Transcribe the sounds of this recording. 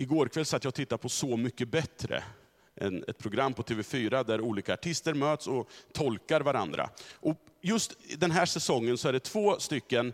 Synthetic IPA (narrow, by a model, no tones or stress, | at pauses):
ɪɡoːɾkʰvɛlsat̪jɑːɡ̚t̪ʰɪt̪ːapʰɔsɔmʏkːəbɛt̪ɾə̰ | ʔɛ̰nɛ̰t̪̚pʰɾʊɡɾamːpʰɔt̪ʰeːvɛfyːɾad̪æɾuːliːkaːʈʰɪst̪əɾmøːt̪sɔt̪ʰɔlkaɾvaɾa̰nd̪ɾa̰ʔɔjɵst̪d̪ɛnɦæːʂɛsɔŋːənsɔæɖɛt̪ʰv̥oːst̪ʏkːən